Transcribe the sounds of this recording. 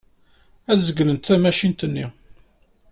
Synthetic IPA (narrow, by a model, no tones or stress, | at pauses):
æθzəɡlənt̪θæmæʃint̪ənːi